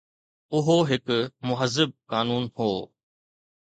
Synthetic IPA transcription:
ʊɦoɦɪkʊmʊɦəzːɪb̚kaːnuːnhoː

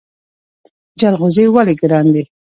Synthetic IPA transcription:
d͡ʒalɣʊzewaleɡɾɑnd̪e

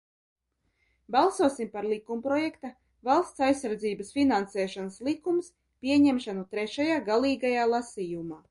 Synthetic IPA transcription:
balˠsuɔsimpaɾlˠikumpɾɔjɛkt̪a | valˠst̪sajsːaɾd̪ziːbasfʲinansɛːʃanslˠikums | pʲiɛɲɛmʃanut̪ɾɛʃajaːɡalˠiːɡajaːlˠasijumaː

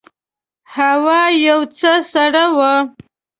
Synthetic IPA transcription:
hawɑjawt͡səsaɽawa

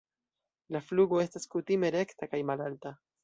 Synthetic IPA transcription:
lafluɡo̞e̞staskutime̞ɾe̞ktakajmalalta

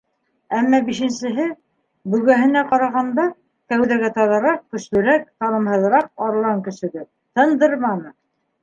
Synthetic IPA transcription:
æmːɑbiʃɘ̆nsɘ̆ɦɘ | bɵ̆ɣæɦɘ̆næqɑɾɑʁɑnd̪ɑ | kæwðæɡæt̪ɑðɤ̆ɾɑq̚kːɵ̆slɵ̆ɾæk̚t̪ɑnɤ̆mɦɤ̆ðɾɑq̚ɑɾ̆lˠɑŋkɵ̆sɵ̆ɡɘp̚ | t̪ɤ̆nd̪ɤɾmɑnɤ

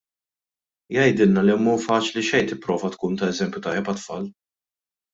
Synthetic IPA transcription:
jɐjd̪ɪlnɐliɛmːuːfɐːt͡ʃliʃɛjt̪ɪpːɾɔːvɐt̪kuːnt̪ɐɛzɛmpjʊt̪ɐjːɛpɐt̪fɐːl

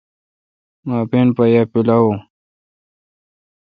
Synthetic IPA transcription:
maːpenpajapilawo

